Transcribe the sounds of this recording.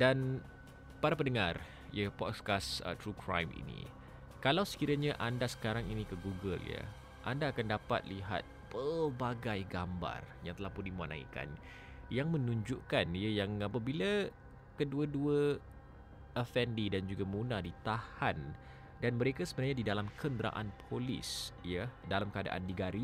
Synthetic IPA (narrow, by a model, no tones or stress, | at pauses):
dan | paɾap̬ənəŋar | iəpɔ̰t̪̚kasə̰t̪ɾukʰɾa̰jmḭnḭ | kalawsə̥kiɾaɲaʔandasə̥kaɾaŋinikəɡuɡəljə̰ | ʔandaːkandapa̰t̪̚liɦa̰t̪̚pərbaɡajɡamba̰rjaŋt̪əlahpʊndimuana̰ḭka̰n | jaŋmə̃nũɲd͡ʒuʔkaniəjaŋapabila | kəduəduə | əfɛndidand͡ʒuɡamunadit̪ahan | danməɾekasəbənarɲadidalamkʰənd̪ɾa̰ʔanpʰolḭsjədalamkəada̰ʔa̰ndiɡaɾi